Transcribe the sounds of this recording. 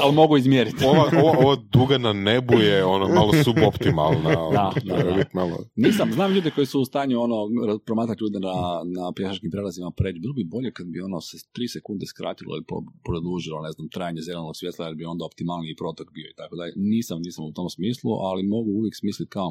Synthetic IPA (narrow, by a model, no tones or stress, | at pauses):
alimo̞ɡuizmjeɾit̪oʋaoʋaoʋad̪uɡananebujeonomalosubopt̪imalˠnaodd̪ad̪abit̪malo̰niːsamznaːmʎuːd̪iko̞jisuːst̪aːɲuo̞no̞ɾapɾomaːt̪ɾat̪ʲʎuːd̪enanapjeʃat͡ʃkimpɾelazimapɾed͡ʒbilˠobibo̞ʎekad̪̚bio̞noset̪ɾisekund̪eskɾa̰ːt̪ilo̰ḭlipo̰pɾod̪uːʒilˠo̞ne̞znamt̪ɾajaɲezelˠenoɡ̥ksʋjet̪ˠajeɾbio̞nd̪ao̞pt̪imalniipɾo̞t̪okbio̞it̪akod̪aʎḛniːsamniːsamut̪o̞msmiːslˠuʔalimo̞ɡuuʋjeksmiːslit̪kao